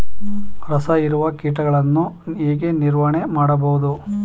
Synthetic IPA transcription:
ɾɐsɐiɾuʋɐkiːʈɐɡɐɭɐnːueːɡeniɾʋɐɳemaːɽɐbɐɦud̪u

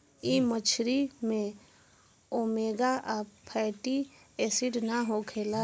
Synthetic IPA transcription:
imət͡ʃʰɾimẽ | oːmeːɡaʔapʰɛːʈi | eːsɪʈnaɦokʰeːla

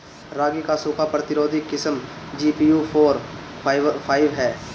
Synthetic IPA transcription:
ɾaːɡikasʊːkʰapɾət̪ɪɾoːd̪ʱɪkːɪsəmd͡ʒiːpiːjuːpʰoːɾ | pʰaːɪʋɦɛː

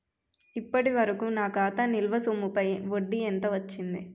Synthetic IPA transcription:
ipːɐʈiʋɐɾɐkuːnaːkaːt̪ɐnilʋɐsumupɐjʋoɖːient̪ɐʋɐt͡ʃːind̪i

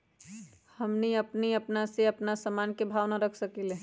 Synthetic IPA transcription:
hɐmniɐpniɐpnaseɐpnasəmaːnkebʱaːʋnaɾəkʰsəkileː

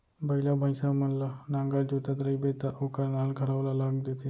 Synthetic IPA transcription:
bɐilabʱəjsamənlanãːŋɡaɾd͡ʒot̪at̪ɾəibet̪aʔokəɾnaːlɡʱəɽaʋlalaːɡd̪et̪e

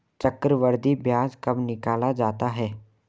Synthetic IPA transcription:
t͡ʃɐkːɾəʋəɾd̪ibjaːd͡ʒkɐbnɪkaːlad͡ʒaːt̪aɦɛː

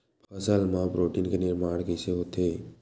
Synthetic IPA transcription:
pʰɐsəlmãbɾoːʈinkenɪɾmaːɳ̃keseɦoːt̪ʰeː

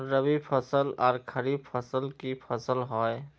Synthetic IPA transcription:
ɾəbipʰəsəlɔːɾkʰəɾib̚pʰəsəlkipʰəsəlɦoe

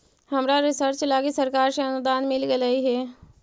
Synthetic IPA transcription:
hɐmɾaɾɪsəɾt͡ʃlaːɡisəɾkaːɾseɐnʊd̪aːnmɪlɡelaiɦɛː

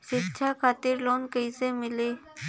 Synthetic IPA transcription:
ʃɪtːʃʰakʰaːt̪ɪɾloːnkəisemɪleː

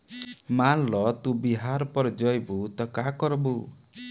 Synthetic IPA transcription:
manlɔt̪ũbiɦaɾɔpɔɾd͡ʒɔjbut̪ɔkakɔɾɔbu

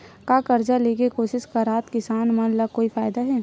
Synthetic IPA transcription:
kaːkɐɾd͡ʒaleːkekoːʃɪʃkaɾaːt̪kɪsaːnmɐnlɐkoːifaːjd̪aɦɛː

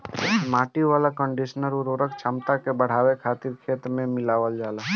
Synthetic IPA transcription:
maːʈiʋaːlakə̃ɳɖiʃənəɾuɾoːɾəkt͡ʃʰəmt̪akebəɽ̤aːwekʰaːt̪iɾkʰeːt̪mẽmɪlaːʋəld͡ʒaːlaː

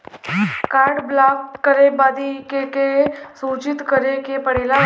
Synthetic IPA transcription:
kaːɾɖblaːkkəɾebaːd̪ikekesuːt͡ʃɪt̪kəɾekepəɽ̤eːla

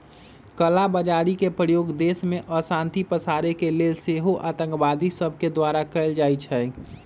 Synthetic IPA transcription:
kəlabəd͡ʒaːɾikepɾəjoːɡd̪eːsmẽʔɔsãːnt̪ipəsaːɾekeleːlseɦoʔaːt̪ə̃ŋkʋaːd̪isəb̚ʱked̪waːɾakəld͡ʒaːit͡ʃʰɛ

